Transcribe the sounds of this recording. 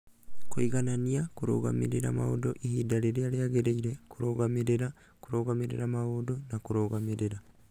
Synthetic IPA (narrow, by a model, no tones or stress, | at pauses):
koiɡananijakuɾo̰ɡa̰mḭɾeɾa̰ma̰odoʔihidaɾeɾeaɾeaɡeɾeiɾekuɾoɡamiɾeɾa | kuɾoːɡamiɾḛɾamaoːdonakuɾoɡamiɾeɾa